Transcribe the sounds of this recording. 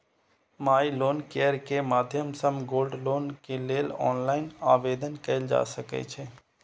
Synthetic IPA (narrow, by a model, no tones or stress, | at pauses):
maːiloːnkeːəɾkemaːd̪ʱjəmsəmɡoːlɖloːnkeleːlɔ̰ːnlaːɪnaːʋeːd̪ənkɐɪld͡ʒa̰ːsəkḛt͡ʃʰeː